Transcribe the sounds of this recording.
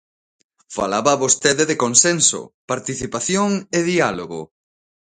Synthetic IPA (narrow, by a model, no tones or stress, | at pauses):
fa̰laβaːβost̪eðeðekonsenso̰paɾt̪iθipaθjoŋeðialoɣo̰